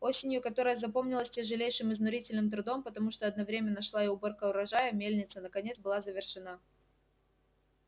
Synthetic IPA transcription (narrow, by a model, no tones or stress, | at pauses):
o̞sʲɪnʲjʊkɐt̪o̞ɾəjəzɐpo̞mnʲɪlˠəsʲtʲɪʐɨlʲejʂɨmɨznʊɾʲitʲɪlʲnɨmt̪ɾʊd̪o̞mpət̪ɐmuʂt̪oɐd̪̚nɐvɾʲemʲɪnːəʂlˠaɪʊbo̞rkəʊɾɐʐajəmʲelʲnʲɪt̪sənəkɐnʲet̪sbɨlˠazəvʲɪrʂɨna